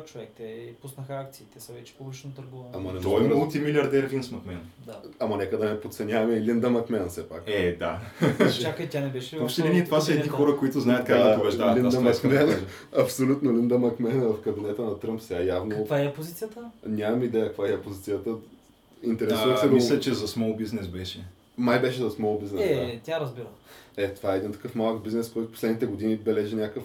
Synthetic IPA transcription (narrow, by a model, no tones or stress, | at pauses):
t͡ʃovɛk̚t̪ɛpusnəxak̚t̪siit̪ɛsəvɛt͡ʃɛ̥pobˠit͡ʃɛnot̪ɐɾɡuvɐɐmɐnɛt̪ɔimulˠt̪imilʲjɐɾd̪ɛɾlinsmɐkmɛnd̪aɐmɐnɛkəd̪ɐnɛpot̪sɛnʲavɐmɛlind̪ɐmɐkmɛnsɛpakɛd̪at͡ʃakit̪ʲanɛbɛʃɛivɔpʃt̪ɛlinit̪ovasəɛd̪nixxɔɾəkoit̪ʊznajət̪kak̪ɐvɛʒd̪alind̪ɐmɐkmɛn | ɐpsolʲut̪nolind̪əmɐkmɛnəvɐfkəbinɛt̪ənɐt̪ɾɤmpsɛɡajavnɐokvaɛɐpozit̪sijət̪ənʲamɐmid̪ɛjəkɐkvaɛɐpozit̪sijət̪ə | int̪ɛɾɛsuvəsɛɡoislʲɛt͡ʃɛzɐsmɔlˠbiznɛsbɛʃɛ | majbɛʃɛzɐsmɔlˠbiznɛsɛt̪ʲaɾɐzbiɾəɛt̪ovaɛːd̪int̪ɐ̥kɤfmalˠəkbiznɛskɔjt̪ʊ̥poslɛd̪nit̪ɛɡod̪inibɛlɛʒinʲakəf